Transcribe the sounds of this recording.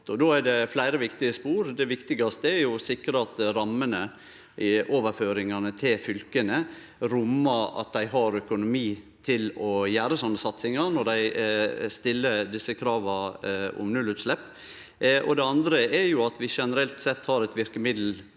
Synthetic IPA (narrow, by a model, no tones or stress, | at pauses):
ɔd̪oːæɖɛflæɪɾəʋɪkt̪ɪəspuːɾd̪ɛʋɪkt̪ɪɡɑst̪əæɾjʊsɪkɾəɑt̪ɾɑmːənə | ʔoːʋəɾføːɾɪŋɑnət̪ʰɪlfʏlkənə | ɾʊmːəɾɑ̰t̪̚d̪æɪɦɑɾœkʊnʊmiː | t̪ʰɪlɔjæːɾəsɔnːəsɑt̪sɪŋɑnɔɾd̪æɪst̪ɪlːəd̪ɪsːəkʰɾɑːʋɑʊ̰mnʉlːʉːt̪slɛpː | ʔɔ̰d̪ɛɑnd̪ɾəɛɾjʊɑt̪ʋɪʂɛnəɾɛlt̪sɛt̪ːhɑɾɛt̪ʋɪɾkəmɪd̪l̩